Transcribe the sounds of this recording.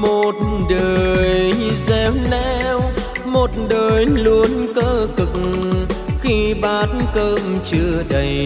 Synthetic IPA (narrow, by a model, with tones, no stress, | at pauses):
mo˨˩t̚ɗəː˨˩˨jjzɛ˧mnɛ˧wmo˨˩t̚ɗəː˨˩jlu˧˦ənkəː˧kɨ˨˩k̚ŋ | xi˧ɓaː˨˦t̚nkəː˧mt͡ɕɨ˧˩əɗə˧j